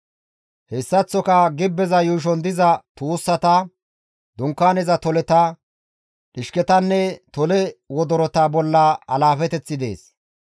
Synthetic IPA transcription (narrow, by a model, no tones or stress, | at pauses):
hɛsːɐt͡sːɔkɐɡɪbːɛzɐjuːʃ̬ɔnd̪ɪzɐt̪uːsːɐt̪ɐ | d̪ʊŋkːaːnɛzɐt̪ɔlɛt̪ɐ | ᶑɪʃkɛt̪ɐnːɛt̪ɔlɛwɔd̪ɔɾɔt̪ɐbɔlːɐɐlaːfɛt̪ɛt͡sːɪd̪e̞̰ːs